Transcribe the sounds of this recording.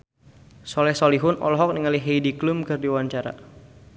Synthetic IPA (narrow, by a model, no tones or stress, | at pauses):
sɔlɛhsɔliɦʊnʔɔ̰lɔɦɔk̚niŋaliɦejdiklumkɨrdiwaɲt͡ʃaɾa̰